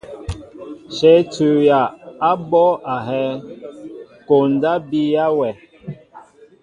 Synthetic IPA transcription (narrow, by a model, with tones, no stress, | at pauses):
ʃɛ˨˦tu˨ja˨a˦bɔ˦ʔa˨ɦɛ˦ | ko˨n˨da˦bi˦ja˦wɛ˨